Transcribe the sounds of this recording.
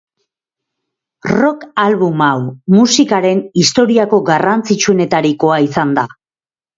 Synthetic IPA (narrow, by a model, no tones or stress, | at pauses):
ro̞kalβumawmusikaɾe̞nist̪o̞ɾiako̞ɡarant͡sit͡ʃuene̞t̪aɾiko̞aisand̪a